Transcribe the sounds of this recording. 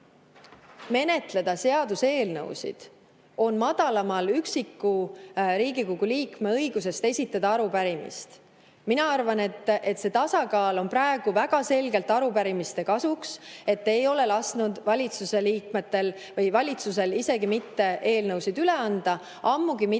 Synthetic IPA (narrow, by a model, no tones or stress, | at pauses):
me̞ne̞t̪le̞d̪̥ɑse̞ɑd̪̥use̞ːlnɤ̰wsḭd̪̥ | o̞nmɑd̪̥ɑlɑmɑlyksikːuɾiːɡikoɡ̥uliːkme̞ɤ̞jɡ̥us̬e̞st̪e̞sʲit̪ːˑɑd̪ɑɑɾupæɾimḭst̪ | minɑɑrvɑne̞t̪ːˑe̞t̪se̞t̪ɑsɑkɑːlo̞npɾɑe̞ɡ̥uvæɡ̥ɑse̞lɡe̞lt̪ɑɾupæɾimist̪e̞kɑsukse̞t̪ːe̞jo̞le̞lɑsnud̪̥vɑlʲit̪suse̞liːkme̞t̪ːe̞l | vɤjvɑlʲit̪sus̬e̞lise̞ɡimit̪ːe̞ʔe̞ːlnɤwsid̪yle̞ɑnd̪̥ɑ | ɑmːuɡimi